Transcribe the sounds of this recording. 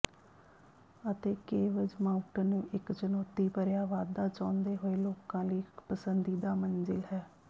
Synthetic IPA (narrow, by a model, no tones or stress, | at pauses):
ət̪eːkeːʋəd͡ʒmaːʊʈənũːʔɪkt͡ʃənɔːt̪iːpəɾjaːʋaːd̪aːt͡ʃãːnd̪eːɦoːeːloːkãːliːɪkpəsənd̪iːd̪aːmənzɪlɦɛː